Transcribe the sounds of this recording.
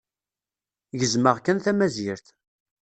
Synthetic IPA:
jəzməʁkːənθæmæzɪɾθ

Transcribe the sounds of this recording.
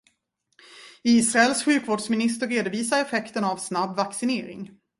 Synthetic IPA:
iːsɾaɛlsɧʉ̟ːkvoːɖsmɪnɪst̪əɾeːd̪ʊviːsaɾɛfɛkt̪ənavsnabvaksɪneːɾɪ̰ŋ

